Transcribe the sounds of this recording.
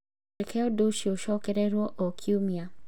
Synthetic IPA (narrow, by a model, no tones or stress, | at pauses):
ekʰɛɔdoʃioʃɔkɛɾɛɾwɔʔɔkʰiumia